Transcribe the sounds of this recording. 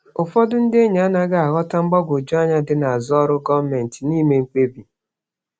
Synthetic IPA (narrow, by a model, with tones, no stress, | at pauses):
ʊ˨fɔ˦dʊ˦n̩˦de˦ɲa˨a˦na˦ɡa˦a˨ɣɔ˦ta˦ŋ͡m̩˦ɡ͡bɔ˦ɡʷo˨d͡ʒu˦a˦ɲa˦dɪ˦na˨a˨zɔ˦ɾʊ˦ɡɔ˦me˨n̩˨ti˨ni˦me˦ŋ͡m̩˦k͡pe˦bi˨